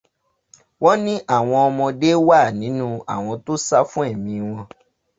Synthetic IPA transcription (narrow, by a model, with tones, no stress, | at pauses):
wɔ˦nĩ˦ʔa˦˨w̃ɔ̃˧ɔ˧mɔ̃˧de˦wa˦˨nĩ˨˦nũ˦a̰˨w̃ɔ̃˧to˦sa˦fũ˦ɛ˦˨mĩ˧w̃ɔ̃˧